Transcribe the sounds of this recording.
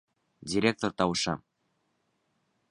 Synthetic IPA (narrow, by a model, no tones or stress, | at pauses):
dʲiɾʲek̚t̪ort̪ɑwʃɑ̰